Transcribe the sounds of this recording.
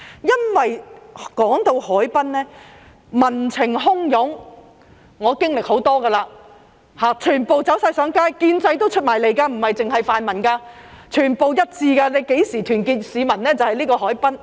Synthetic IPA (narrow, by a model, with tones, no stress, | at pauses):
jɐ˥nwɐ˨jkɔː˨˥ŋt̪o˧whɔː˨˥jpɐ˥nlɛː˥ | mɐ˨˩nt͡sʰɪ˨˩ŋɦʊ˥ŋjʊ˨˥ŋ | ŋɔː˨˧kɪ˥ŋlɪ˨k̚ho˨˥wt̪ɔː˥ɡaː˧laː˧ | haː˨t͡ʃʰyː˨˩npo˨wt͡sɐ˨˥wsɐ˧jsœː˨˥ŋkaː˥jkiː˧nt͡sɐ˧jt̪o˥wt͡ʃʰɵ˥t̚maː˨˩jle˨˧jkaː˧m̩˨˩hɐ˨jt͡sɪ˨ŋhɐ˨jfaː˧nmɐ˨˩nkaː˧ | t͡ʃʰyː˨˩npo˨wjɐ˥t̚t͡siː˧ka˧ne˨˧jke˨˥jsiː˨˩t̪ʰyː˨˩nkiː˧t̚siː˨˧mɐ˨˩nlɛː˥t͡sɐ˨whɐ˨jliː˥kɔː˧ɦɔː˨˥jpɐ˥n